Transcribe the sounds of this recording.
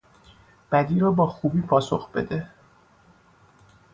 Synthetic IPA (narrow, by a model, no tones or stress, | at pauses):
b̥æd̪iːɾɒːbɒːxuːbiːpʰɒːso̞̰xb̥e̞̰d̪e̞